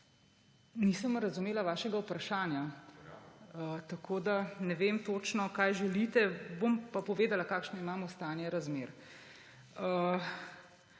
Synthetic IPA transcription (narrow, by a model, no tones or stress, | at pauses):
nisəmɾɐzumeːlaʋaːʃɛɡaupɾaʃaːnja | ət̪akʰoːd̪anɛʋeːmt̪ot͡ʃnɔkaːjʒɛlit̪ɛbompapɔʋeːd̪alakaːkʃnɔimaːmɔst̪aːnjɛɾazmeːɾ | ə